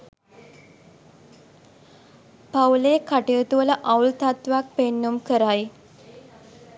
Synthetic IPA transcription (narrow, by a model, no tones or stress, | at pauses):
pawlekʰaʈiət̪uʋələʔawlt̪at̪ʋak̚penːumkəɾaj